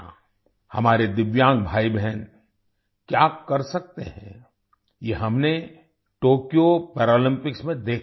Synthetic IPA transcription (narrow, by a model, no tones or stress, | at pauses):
hɐmaːɾed̪ɪʋjãːŋɡ̚bʱaːibɛɦɛn | kjaːkɐɾsɐk̚t̪eɦɛ̰̃ː | jeɦɐmne | ʈoːkijopɛːɾaːlɪ̃mpɪksmẽd̪eːkʰ